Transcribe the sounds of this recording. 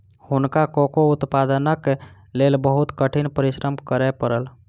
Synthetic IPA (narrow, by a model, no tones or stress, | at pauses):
hunkakokout̪pad̪ənək | lelbəɦut̪kəʈʰinpəɾisɾəmkəɾɛpəɾəl